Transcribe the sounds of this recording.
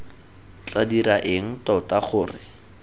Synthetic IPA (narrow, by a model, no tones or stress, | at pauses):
t͡ɬadiraʔɪŋ̩tɔtaχʊːrɪ